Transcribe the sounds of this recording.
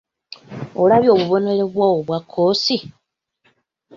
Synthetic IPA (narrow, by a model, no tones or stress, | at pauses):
olaβjo̞ːβuβo̞ne̞le̞βwawoβwakʰːoːsi